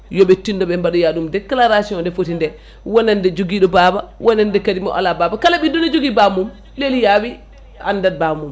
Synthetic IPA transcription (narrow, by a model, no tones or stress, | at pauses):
jɔɓɛtːindɔɓɛmbaɗɔjaɗumdɛkalaɾasiɔndɛfotindɛ | wɔnɛndɛd͡ʒoɡiɗɔbaːbawʔɔnɛndɛkadimɔ̰ʔa̰lababakalaɓindɔnɛd͡ʒoɡibamum | lelijawi | a̰ndad̚bamum